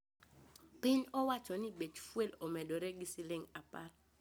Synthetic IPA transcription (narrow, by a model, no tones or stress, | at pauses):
pɪɲɔwat͡ʃɔnɪbet͡ʃfwelomɛdoɾeɡisilɪŋapa̰l